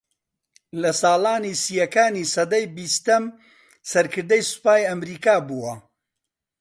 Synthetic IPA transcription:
lɐsaːlaːniːsijɐkaːnisɐd̪ɐjbist̪ɐm | sɐɾkʰɨɾd̪ɐjsʊ̥paːjɐmɾiːkaːbuːwɐ

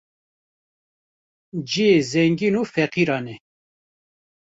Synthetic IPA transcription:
d͡ʒiezɛŋɡinufɛqiɾɑːnɛ

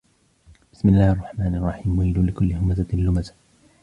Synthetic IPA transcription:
bɪ̥smɪlːaːhʔɑrˤːɑħmaːnʔɑrˤːɑħiːmʊhiːluːlɪkʊlːɪhʊmazaɪlːʊmazḁ

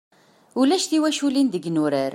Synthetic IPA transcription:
ulæʃθiwæʃulind̪əɡnuɾəɾ

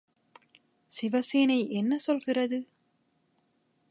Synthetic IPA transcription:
sɪʋɐseːnɐɪʔɛnːɐsɔlɣɪrɐðɯ

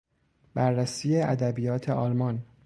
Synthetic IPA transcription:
b̥æɾːæsiːjeæd̪æbijɒːt̪ʰeʔɒːlmɒn

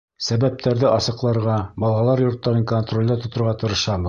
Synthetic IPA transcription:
sæβæp̚t̪æɾðɘʔɑsɤ̆qlˠɑɾʁɑbɑlˠɑlˠɑɾjŏɾt̪ːɑɾɤŋkont̪rolʲd̪ɑt̪ŏt̪ŏɾʁɑt̪ɤ̆ɾɤ̆ʃɑm

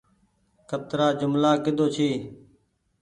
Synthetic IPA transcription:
kʰət̪ɾaːd͡ʒʊmlaːkɪd̪ʱoːt͡ʃʰiː

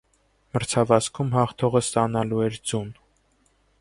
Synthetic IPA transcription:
məɾt͡sʰɑvɑskʰumhɑχt̪ʰɔʁəst̪ɑnɑluɛɾd͡zun

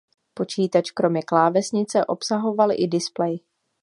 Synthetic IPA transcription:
po̞t͡ʃiːt̪at͡ʃkɾo̞mɲɛklaːvɛsɲɪt͡sɛʔo̞psaɦo̞valʔɪ̰dɪsplɛj

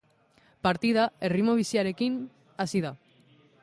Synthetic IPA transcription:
paɾt̪iðae̞rimo̞β̞isiaɾe̞kin | asiða

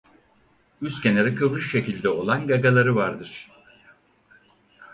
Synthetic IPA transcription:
yscʲeneɾɛkʰɯvɾɯʃʃe̞cilʲd̪ɛo̞lˠanɡaɡalˠaɾɯvaɾd̪ɯɾ̥

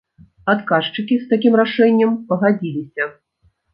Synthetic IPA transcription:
at̪kaʂt͡ʂɨkʲist̪akʲimɾaʂɛnʲːɐmpɐɣad͡zʲilʲisʲɐ

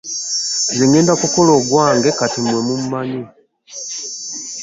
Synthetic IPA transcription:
zeŋeːndakukoloɡwaːŋɡekatimwemumumaɲi

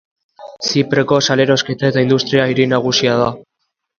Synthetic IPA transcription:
sipɾe̞ko̞sale̞ɾo̞ske̞t̪ae̞t̪aind̪ust̪ɾiaiɾinaɣ̞usiað̞a

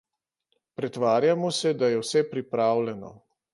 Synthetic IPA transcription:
pɾɛt̪ʋaːɾjamɔsɛd̪ajɛwsɛpɾipɾaːwlɛnɔ̰

